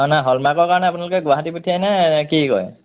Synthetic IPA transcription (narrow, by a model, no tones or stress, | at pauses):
ɔnaɦɔlmakɔɹkaɹɔnɛapʊnalʊkɛɡʊaɦatiputʰijajnakikɔ̰j